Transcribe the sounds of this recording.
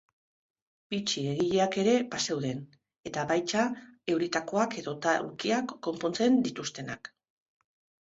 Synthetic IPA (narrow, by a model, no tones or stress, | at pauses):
b̥it͡ʃie̞ɣiʎeake̞ɾe̞pase̞wðe̞n | e̞t̪aβajt͡ʃae̞wɾit̪ako̞ake̞ðo̞t̪aṵɾkiakːo̞mpo̞nt͡se̞nd̪it̪ust̪e̞nak